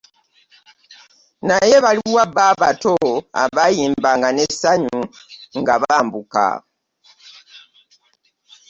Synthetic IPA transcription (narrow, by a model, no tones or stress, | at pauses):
naje̞βaliwaβaβatoa̰βajiːmbaŋɡanesaɲuŋɡaβaːmbuka̰